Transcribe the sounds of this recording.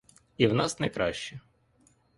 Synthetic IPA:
iwnɑsnɛkɾɑʃt͡ʃɛ

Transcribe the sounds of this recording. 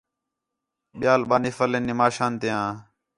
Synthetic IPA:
ɓɪjaːlɓaːniːfəleːnːɪmaːʃãːnt̪ɪãː

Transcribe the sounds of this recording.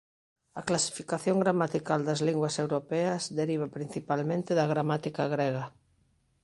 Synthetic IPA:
ɐklasi̥fikaθjoŋɡɾamat̪ikald̪ɐzliŋɡwasewɾopɛɐsd̪eɾiβ̞apɾin̟θipalmẽnt̪eðɐɣɾamat̪ikaɣɾeɣɐ

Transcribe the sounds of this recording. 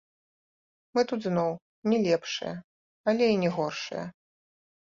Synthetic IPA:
mɨt̪ud̪znɔw | nʲɛlʲɛpʂɨ̰jɐ̰ | alʲɛinʲɛɣɔrʂɨ̰jɐ̰

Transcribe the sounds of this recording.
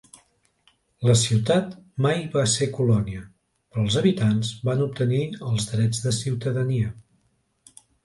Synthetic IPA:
ləsiwt̪at̪majβasekulɔniə | pɾɔːlˠzəβit̪anzbanup̚t̪əniəlˠzðɾɛd͡zðəsiwt̪əðəniə

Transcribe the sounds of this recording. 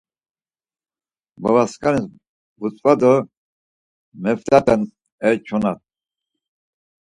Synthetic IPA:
bavaskʼanis | but͡sʼvad̪ɔ | mɛft̪ʰʼat̪ʼɛn | ɛt͡ʃʰɔnat̪̚

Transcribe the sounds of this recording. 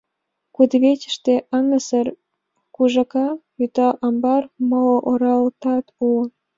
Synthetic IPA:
kud̪βet͡ɕə̥ʃt̪eʔɑnəsər | kuʒɑkɑ | yt̪ɑʔɑmbɑrmooʔoɾɑlt̪ɑt̪u

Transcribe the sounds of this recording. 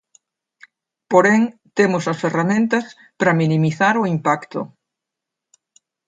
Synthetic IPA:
poɾeŋt̪emʊsɐsferamẽnt̪ɐs | pɾɐminimiθaɾʊimpakt̪ʊ̰

